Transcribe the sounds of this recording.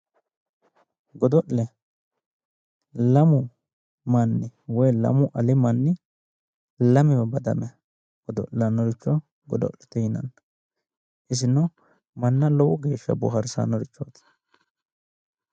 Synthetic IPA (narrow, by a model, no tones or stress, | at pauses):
ɡɔd̪ɔʔlɛ | lɐmʊ | mɐnːɪwɔjlɐ̰mʊʔɐlɪmɐnːɪ | lɐmɪwɛbɐd̪ɐ̰mɛ | ɡ̥ɔd̪ɔ̰ʔlɐnɔɾɪt͡ʃːɔ | ɡɔd̪ɔ̰ʔlɛ̥t̪ɛjɪnɐ̰n | ʔɪs̬ɪnɔ | mɐnːɐlɔwɔɡe̞ːʃːɐ̰bʊ̰hɐɾsa̰nɔɾɪt͡ʃːɔt̪